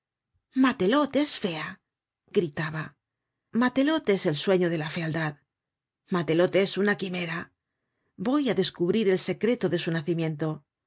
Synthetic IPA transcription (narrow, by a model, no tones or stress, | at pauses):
mat̪e̞lo̞t̪esfe̞a | ɡ̥ɾit̪aβa | mat̪e̞lo̞t̪e̞se̞lswe̞ɲo̞ð̞e̞lafe̞ald̪að | mat̪e̞lo̞t̪esunakime̞ɾa | bo̞jaðe̞skuβɾiɾe̞lse̞kɾe̞t̪o̞ðe̞sunaθimjẽ̞nt̪o̞